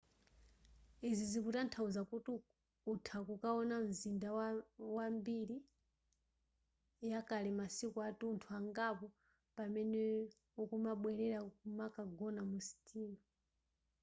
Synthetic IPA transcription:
iziziputantʰauzakutu | utʰakukaɔnam̩zindawwambiɾi | jakalimasikuatuntʰuaŋɡapɔ | pamɛnɛ | ukumaɓwɛɾɛɾakumakaɡɔnamusi̥tʰiːnɔ

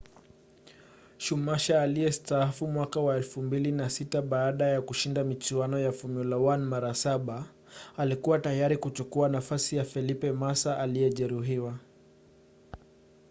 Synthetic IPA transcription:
ʃumaʃaːlijɛstaafumwakawaɛlfumbilinasitaɓaːɗajakuʃindamit͡ʃiwanɔjafumulawanmaɾasaɓaː | likuwatajaɾikut͡ʃukuanafasijafɛlipɛmasaʔalijɛʄɛɾuɦiwa

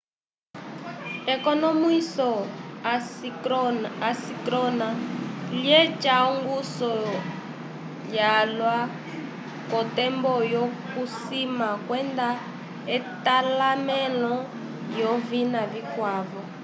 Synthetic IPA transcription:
ɛkɔnɔmisɔa | asikɾɔnaliɛt͡ʃaɔŋɡusɔ | jalwa | kɔtɛmbɔjɔkusimakwɛnd̪a | ɛtalamɛlɔ | jɔvinavikwaːvɔ

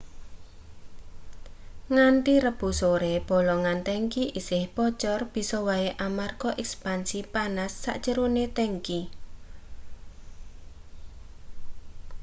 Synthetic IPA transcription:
ŋaɳʈiɾəb̥ṳsoɾeb̥ɔ̤lɔŋant̪ɛŋkiʔisɪhpɔt͡ʃɔrb̥i̤sɔwaeʔamarkɔʔɛkspansipanasːa̰ʔt͡ʃəɾonet̪ɛŋki

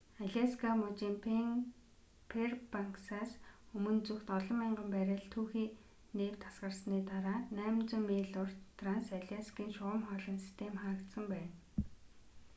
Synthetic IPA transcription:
aɮʲaskʰamʊt͡ɕiːmp | pʰerpaŋksaːsɵmɵ̆nt͡suxt̪ɔɮɞ̆mːaɴɢə̆mpæɾʲɪ̆ɮt̪ʰuːxiː | neːw̥t̪ʰːasɢə̆rsniːt̪aɾaːnæːmt͡sʊ̆mːiːɮʊrt̪ʰransaɮʲaskiːŋʃʊʁə̆mχɔːɮə̆nsi̥st̪ʰemχaːkt̪sə̆mpæːn

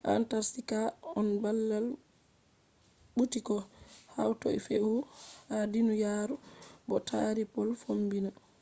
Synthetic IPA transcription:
ʔa̰ntaɾsikaɔnbalːal | ɓutikɔhawtɔ̰ḭfeʔuhadinujaɾubɔtʰa̰ɾipɔlfombina

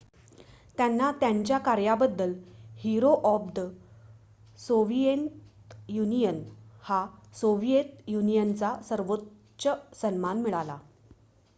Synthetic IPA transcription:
t̪janːat̪jaɲt͡ɕjakaɾjabəd̪ːəlhiɾoʔɔp̚d̪ə | soʋijent | junijənhasoʋijet̪junijənt͡sasəɾʋot | ɕəsənmanmiɭala̰

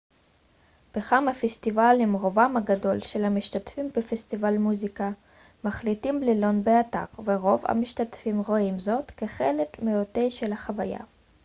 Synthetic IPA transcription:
b̥eχamafest̪ivalimʁo̞vamhaɡado̞lʃelhamiʃt̪atfimbefest̪ivalmuzika | maχlitimblelo̞nbeat̪a̰ʁveʁo̞va̰miʃt̪at̪fimʁo̞imzo̞tkeχelekmejot̪ejʃelhaχavaja̰

